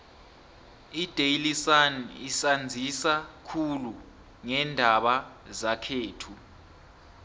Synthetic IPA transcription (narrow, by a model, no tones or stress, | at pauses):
id̥ʱejlisanisand͡zʱisakʰulu | ŋɛndʱaɓazakʰeːtʰu